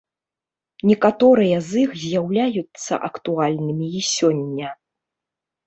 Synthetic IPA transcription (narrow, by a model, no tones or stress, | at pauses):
nʲɛkat̪ɔɾɨjɐzixzʲjawlʲajut̪sːɐ̰ʔɐkt̪ualʲnɨmʲiːsʲɔnʲːɐ